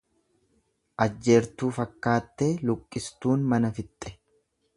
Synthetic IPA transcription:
ʔɐd͡ʒːeːɾt̪uːfɐkːaːt̪ːeːlʊkʼːɪst̪uːnmɐnɐfɪt̪ʼːɛ̥

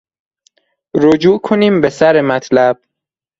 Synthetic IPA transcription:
ɾod͡ʒuːkʰoniːmbe̞sæɾemæt̪ʰlæb̥̚

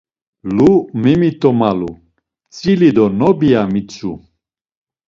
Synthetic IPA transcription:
lumimit̪ʼɔmalu | t͡sʼilid̪ɔnɔbijamit͡sʰʼṵ

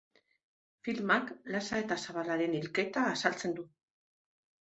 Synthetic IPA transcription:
filmaklasae̞t̪asaβalaɾe̞nilke̞t̪aːsalt͡se̞nd̪u

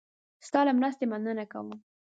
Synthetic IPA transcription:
st̪ɑlamɾast̪emanənaka̰wə

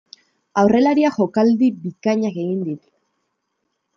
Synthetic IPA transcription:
awre̞laɾiaxo̞kald̪ibikaɲake̞ɣind̪it̪

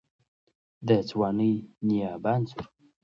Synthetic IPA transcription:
d̪ət͡swaːnijnijaːbant͡suɾ

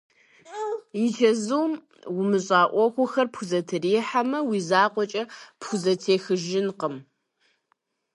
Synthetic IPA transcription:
jit͡ʃʰɐzuwm | wʊmɨɕʼaːʔʷɔxʷʊxɐrpxʷʊzɐtʰɨriːħamɐwiːzaːqʷɔt͡ʃʼɐpxʷʊzɐtʰeːxɨʒɪnqəm

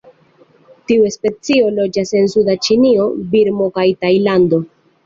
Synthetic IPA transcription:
tiue̞spe̞t͡sio̞lo̞d͡ʒase̞nsudat͡ʃinio̞biɾmo̞kajtajlando̞

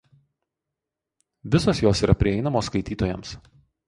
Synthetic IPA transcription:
ʋʲɪsoːsjoːsiːɾʔɐpʲɾʲɪɛɪnɐmoːskɐɪt̪ʲiːt̪oːjɛms

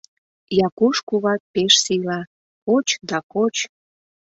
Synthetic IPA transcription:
jɑkuʃkuβɑk̪̚peʃsilɑ | kot͡ɕd̪ɑkot͡ɕ

